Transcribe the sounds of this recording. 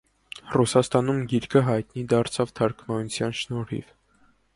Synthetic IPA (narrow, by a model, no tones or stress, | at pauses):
rusɑst̪ɑnumɡiɾkʰəɦɑjt̪nid̪ɑɾt͡sʰɑvt̪ʰɑɾkʰmɑnut͡sʰjɑnʃnɔɾḭv